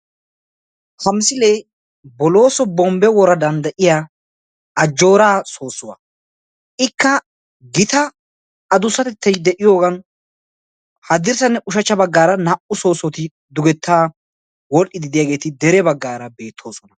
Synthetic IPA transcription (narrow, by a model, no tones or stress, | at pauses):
hɐmsɪlej | bɔlo̞ːsɔbɔmbɛwɔɾɐd̪ɐnd̪ɐʔɪjaː | ɐd͡ʒːo̞ːɾaːso̞ːsʊwa̰ | ʔɪkːɐ | ɡɪt̪ɐː | d̪ʊsːɐt̪ɛt̪ːɐjd̪ɛʔɪjo̞ːɡɐn | hɐd̪ɪɾsɐnːɛʔʊʃɐt͡ʃːɐbɐɡːaːɾɐnɐʔʊso̞ːsɔt̪ɪ | d̪ʊɡɛt̪ʰːaː | wɔlʔɪd̪ɪd̪ɪjaːɡe̞ːt̪ɪd̪ɛɾɛbɐɡːaːɾɐbe̞ːt̪ʰːo̞ːsɔnɐ